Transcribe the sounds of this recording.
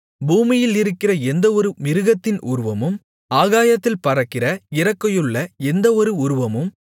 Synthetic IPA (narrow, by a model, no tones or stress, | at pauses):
buːmɪjɪlɪɾɯkːɪrɐɛnd̪ɐɔɾɯmɪɾɯɣɐt̪ːɪnʔʊ̰ɾɯʋɐmɯm | aːɣaːjɐt̪ːɪlpɐɾɐkːɪrɐɪrɐkːɐjɯɭːɐɛnd̪ɐɔɾɯʊɾɯʋɐmɯm